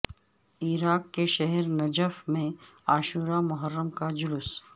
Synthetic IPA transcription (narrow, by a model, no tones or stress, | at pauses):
iːɾaːkːeʃɛɦɛɾnɐd͡ʒəfmẽaːʃuːɾamʊɦəɾːəmkad͡ʒʊlʊs